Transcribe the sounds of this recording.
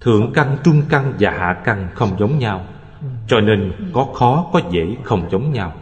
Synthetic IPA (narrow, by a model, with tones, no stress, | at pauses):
t̪ʰɨ̰˧˨əŋka˧ŋt͡ɕʊ˧ŋ͡mka˧ŋvaː˨˩ha̰ː˧˨ka˧ŋxə˧wŋ͡mzə˨˦wŋ͡mɲaː˧w | t͡ɕɔ˧neː˧nkɔ˨˦xɔ˨˦kɔ˨˦zḛ˧˩xə˧wŋ͡mzə˨˦wŋ͡mɲa˧w